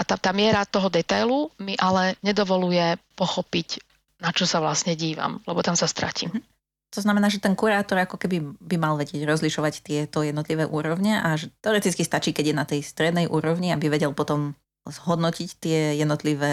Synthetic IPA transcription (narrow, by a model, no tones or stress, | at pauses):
at̪at̪aːmɪɛɾat̪ɔɦɔd̪ɛt̪ajlumiʔalɛɲɛd̪ɔʋɔlujɛpɔxɔpic | nat͡ʃɔsaʋlasɲɛɟiːʋa̰mlɛbɔt̪amsast̪ɾa̰cḭ | t̪ɔznamɛnaːʒɛt̪ɛnkuɾaːt̪ɔɾakɔkɛbibimalʋɛɟɪɛɟɾɔzliʃɔʋact̪ɪɛt̪ɔjɛd̪nɔt̪liʋɛːʔuːɾɔʋɲaʔaʒɛt̪ɛɔɾɛt̪it͡skist̪at͡ʃiːkɛɟjɛnat̪ɛjst̪ɾɛd̪nɛjʔuːɾɔʋɲiabiʋɛɟɛlˠpɔt̪ɔm | zɦɔd̪nɔcict̪ɪɛjɛd̪nɔt̪liʋɛː